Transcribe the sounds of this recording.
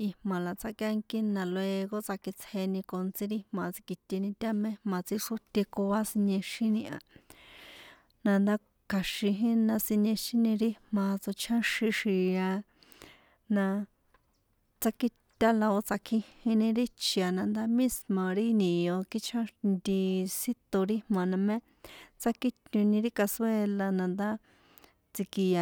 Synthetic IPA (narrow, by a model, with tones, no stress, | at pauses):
i˧mã˨la˨t͡sa˧kja˦˧ŋki˦nã˧lo˧e˧ɣo˦t͡sa˧ki˧t͡sʰe˧nĩ˧ko˧nt͡sĩ˧ɾi˦hmã˨t͡si̥˧ki˧t̪ʲe˧nĩ˧t̪ʲa˦mẽ˦mã˧t͡si˧ʂu˦t̪ʲe˧ko˧a˦si˧ɲẽ˧ʃĩ˦nĩ˧ʔa̰˧ | nã˧nd̪a˦ | kʰa˧ʃĩ˧ɦĩ˦nã˧si˧ɲẽ˧ʃĩ˦nĩ˧ɾi˦mã˧t͡so˧t͡ʃʰã˦ʃĩ˧ʃi˨˧a˧ | nã˧ | t͡sa˦ki˦ | t̪ʲa˦la˧o˧t͡sa˧kʰĩ˧hĩ˧nĩ˧ɾi˦t͡ʃi˧a˨nã˧nd̪a˦mĩ˦smã˨ɾi˦nĩ˨jo˧ki˦t͡ʃʰã˦nd̪i˧si˦t̪o˧ɾi˦hmã˧nã˧mẽ˦ | t͡sa˦ki˦t̪ɲũ˧nĩ˧ɾi˦ka˧swe˧la˧nã˧nd̪a˦ | t͡si˧ki˧a˧